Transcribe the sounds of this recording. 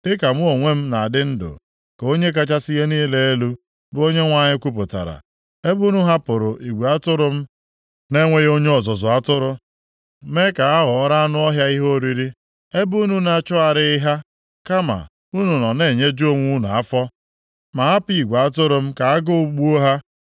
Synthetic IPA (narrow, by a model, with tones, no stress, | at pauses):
ɪ˦ka˨m̩˦o˨ŋʷe˦m̩˦na˨a˨dɪ˦n̩˦dʊ̰˨ | ko˦ɲe˦k̬a˦t͡ʃa˦si˦ɣe˦niː˦le˦e˦lu˦ | bʊ˦o˦ɲe˦ŋʷa˦ɲɪ˦kʷu˦p̬ʊ˨ta̰˨ɾa̰˨ | e˦bu˦nu˦ɦa˦pʊ˨ɾʊ˨ʔi˨ɡʷe˨a˦tʊ˦ɾʊ˦m̩˦ | ne˦ŋʷe˦ɣo˦ɲe˦ɔ˨zɔ˨zʊ˨a˦tʊ˦ɾʊ˦ | me˦ka˨a˦ɦʊ˨ɔ˦ɾa˦a˦nʊ˦ɔ˦ɦja˦i˦ɦo˦˨ɾi˦ɾi˦ | e˦bu˦nu˦na˦t͡ʃɔ˦a˨ɾɪ˦ɪ˦ɦa˦ | ka˦ma̰˨ | u˦nu˨nɔ˨ne˨ɲe˦d͡ʒu˦o˦ŋʷu˦n˨a˦fɔ˦ | ma˨a˦pi˨ɡʷe˨a˦tʊ˦ɾʊ˨m̩˦ka˨a˦ɡʊ˦u˨˦ɡ͡bu˦o˦ɦa˦